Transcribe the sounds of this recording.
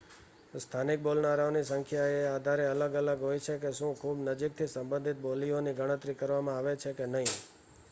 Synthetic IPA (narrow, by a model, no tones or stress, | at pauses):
st̪ʰanik̚bolnaɾaonisəŋkʰjaead̪ʱaɾeələɡələɡɦojt͡ʃʰekeʃũkʰubnəd͡ʒik̚t̪ʰisə̃mbə̃nd̪ʱit̪̚bolioniɡəɽ̃ə̃t̪ɾikəɾʋamãaʋet͡ʃʰekenəɦĩ